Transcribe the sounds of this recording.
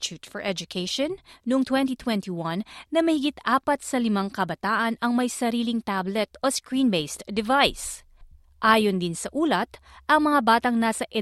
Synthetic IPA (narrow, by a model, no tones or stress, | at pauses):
t͡ʃut̪fɔɹʔɛd͡ʒʊkʰejʃõnːʊʔoŋt̪wɛ̃nt̪it̪wɛnt̪iwɐnːɐmɐhɪɡit̪ʔaːpɐt̪̚sɐlɪmaŋkɐbɐt̪aːʔɐnɐŋmɐjsɐɾiːlɪŋt̪ablɛt̪oskɹiːnbejst̪d̪ɛvajs | ʔaːjond̪ɪnsɐʔuːlɐt̪ | ʔɐŋmɐŋabaːt̪ɐŋnasɐʔɛ